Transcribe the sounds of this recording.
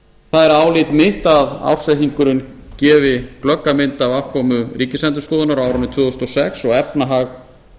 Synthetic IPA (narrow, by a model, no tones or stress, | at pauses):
θaðɛɾaːwlɪt̪mɪht̪aða̰wr̥sɛhiŋkʏɾʏn | cɛːvɪklœkːamɪnt̪avafkʰɔːmʏɾiːcɪslɛnt̪ʏ̥skɔːðʏnaɾaːwɾʏnɪt̪ʰvʏːðɔst̪ɔsɛksɔɣɛpnaɦaɣ